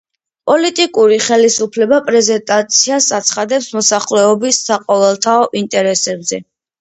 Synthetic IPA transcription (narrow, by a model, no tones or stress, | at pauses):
pʼɔlit̪ʼikʼuɾiχɛlisupʰlɛbapʼɾɛzɛnt̪ʼat̪sʰiasat̪sʰχad̪ɛpsmɔsaχlɛɔbisːaqʼɔvɛlˠt̪ʰaɔʔint̪ʼɛɾɛsɛbzɛ